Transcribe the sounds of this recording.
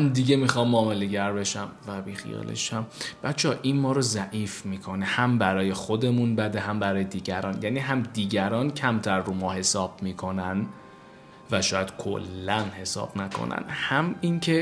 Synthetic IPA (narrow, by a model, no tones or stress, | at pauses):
nd̪iɟe̞miːxɒmːɒːme̞le̞ɟæɾbe̞ʃæmvæbixḭjɒ̰ːlḛʃæmb̥æt̪t͡ʃʰɒʔinmɒːɾozæʔiːfmiːkʰo̞nihæmbæɾɒːje̞xo̞d̪e̞munbæd̪eɦæmbæɾɒːje̞d̪iːɟæɾɒːnjæniːɦæmd̪iːɟæɾɒːncʰæmt̪ʰæɾːumɒːhe̞sɒːb̥miːkʰo̞næn | væʃɒːjæd̪̥kʰo̰lːænhe̞sɒ̰ːb̥nækʰo̞̰næ̰nhæmincʰe̞